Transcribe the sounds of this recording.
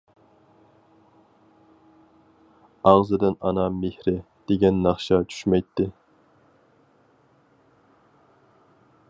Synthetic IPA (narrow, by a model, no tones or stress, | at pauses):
ɑʁzɨd̪ɪnɑ̰nɑmehɾɪ | d̪̥eɡʲɛnːɑχʃɑt͡ʃʰy̥ʃmɛjt̪ʰːɪ